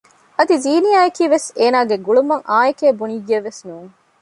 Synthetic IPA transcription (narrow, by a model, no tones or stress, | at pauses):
ɐd̪iziːnijaːɐkiːʋeseːnaːɡeɡuɭumɐŋʔaːekeːbuniɡiɐʋːesnuːŋ